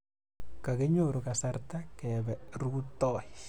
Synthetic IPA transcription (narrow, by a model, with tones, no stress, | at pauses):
ka˨kɪ˦ɲo˦˨ɾo˨ka˨sa˦ɾt̪a˦kɛ˨βɛ˨ɾu˦t̪ɔ˦˨j